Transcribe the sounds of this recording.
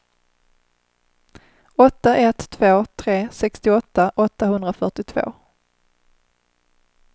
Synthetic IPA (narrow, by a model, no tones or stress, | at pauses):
ɔt̪ːaʔɛt̪ʰːvoːt̪ʰɾeːsɛkst̪ɪɔt̪ːaʔɔt̪ːaɦɵnd̪ɾafœʈɪt̪ʰv̥o̰ː